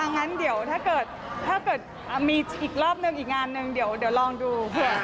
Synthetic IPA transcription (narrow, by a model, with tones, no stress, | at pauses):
a˧ŋːa˦˥ndi˩˦əwt̪ʰaː˥˩kɤː˨˩t̪̚ʰːaː˥˩kɤː˨˩t̪̚ʔaː˨˩miː˧ʔiː˨˩k̚ɾɔː˥˩p̚nɯ˧ŋʔiː˨˩k̚ŋaː˧nːɯ˧ŋdi˩˦əwdi˩˦wlɔː˧ŋduː˧pɯ˧˩